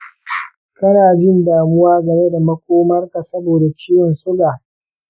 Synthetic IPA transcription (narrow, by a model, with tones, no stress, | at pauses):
kɐ˦naː˨d͡ʒɪ˦ndaː˨mʊ˦waː˦ɡɐ˨me˦da˨mɐ˦kʷoː˦mɐ˦rka˨sɐ˦boː˨da˨t͡ʃiː˦wɔ˨nsʊ˦ɡaː˨